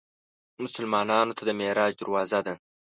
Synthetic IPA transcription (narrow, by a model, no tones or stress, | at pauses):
mʊsʊlmɑːnɑːnot̪ʰad̪əmeɾɑːd͡ʒd̪əɾwɑːzad̪a